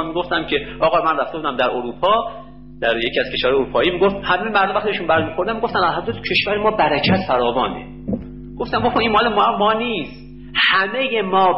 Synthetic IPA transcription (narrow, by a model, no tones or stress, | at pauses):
miɡoft̪æmcʰe̞ɒːɣɒːmænræft̪e̞buːd̪æmd̪æɾoɾuːpʰɒː | d̪̥æɾjecʰiːæz̥kʰe̞ʃvæɾhɒjoɾuːpʰɒːjiːmiɡoft̪hæmejemæɾdomvæxt̪iiʃunbæɾmixo̞ɾd̪æmiɡoft̪ænælɦæd̪ɾæt̪ʰcʰe̞ʃvæɾemɒːbæɾæcʰæt̪fæɾɒːvɒːnḛ | ɡ̥oft̪æmboxoinmɒːlemɒmɒːniːst̪ | hæme̞je̞mɒː